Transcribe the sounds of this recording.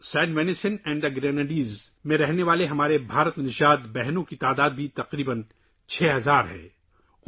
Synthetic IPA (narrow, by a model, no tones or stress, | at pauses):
sɛ̃ːɳʈʋɛːnɪsənɛ̃ːɳɖɐɡɾeːnaɖiːzmẽɾɛɦneʋaːleɦɐmaːɾebʱaːɾət̪nɪʃaːd̪bɛɦnõkit̪aːd̪aːd̪̚bʱit̪ɐqɾiːbən | t͡ʃʰɛːɦɐzaːɾɦɛ̰̃ː